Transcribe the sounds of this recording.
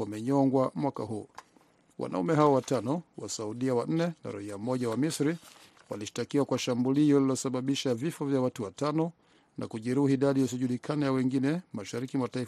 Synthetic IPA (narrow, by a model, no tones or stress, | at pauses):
amɛɲɔŋɡwamwakaɦuː | wa̰na̰umɛɦawɔwatanɔwa̰sauɗiawan̩nɛna̰ɾa̰hiamɔʄawamisɾi | wa̰liʃi̥takiwakwaʃambuliɔlilɔsaɓaɓiʃavifɔvjawatuwatanɔ | na̰kuʄɛɾuhiːɗaɗijɛsiʄulikʰanajawɛŋɡinɛmaʃaɾikimwatai